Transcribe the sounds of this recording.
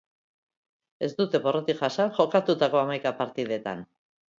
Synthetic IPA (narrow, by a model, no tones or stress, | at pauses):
e̞zd̪ut̪e̞βo̞ro̞t̪iʝasanʝo̞kat̪ut̪ako̞amajkapaɾt̪iðe̞t̪a̰n